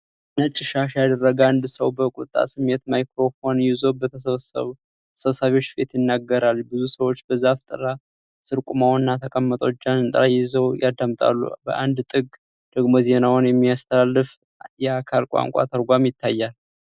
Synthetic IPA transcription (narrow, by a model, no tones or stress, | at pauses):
nət͡ʃʼːɪʃaʃjad̪ərːəɡand̪səwbəkʼut̪ʼa̰sɨmːe̞t̪majkɾo̞konjizo̞bət̪ʰ | əsəβsaβeo̞t͡ʃːbe̞t̪jɪnːaɡːəɾalbɨzusəwo̞t͡ʃːbəzaft̪ʼɨ̰ɾa | sɨɾkʼumawnːat̪ʰəkʼəmːət̪ʼot͡ʃːanɨnt̪ʼəɾajɪzəwjad̪amt̪ʼa̰lːṵbə̰ʔand̪t̪ʼɨɡ | d̪̥əɡmoze̞nawnjɛmːiast̪ʰəlalːɨf | jɛakʰalkʼa̰ŋkʷʼa̰t̪ʰəɾɡʷamjɪt̪ʰːajːal